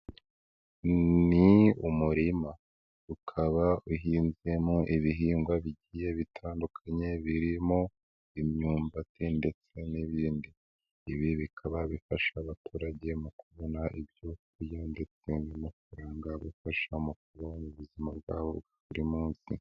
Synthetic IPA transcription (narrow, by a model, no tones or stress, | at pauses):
niumuɾima | ukʰaβauɦiːnze̞moʔiβiɦiːŋɡwaβiɟije̞βitʰaːndukʰaɲe̞βiɾimo | imɲuːmbatende̞t͡se̞niβiːndiː | βiβikʰaβaβifaʃaːβatuːɾaɟe̞mukuβonaʔibjokujande̞t͡se̞nimufuɾaːŋɡaβufaʃaumukuɾomuβuzimab̚ɡaːβobɡaβuɾimuːnsi